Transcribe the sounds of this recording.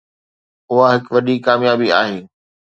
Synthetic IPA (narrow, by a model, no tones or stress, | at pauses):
ʊɦaɦɪkʋɐɗikaːmjaːbiaːɦeː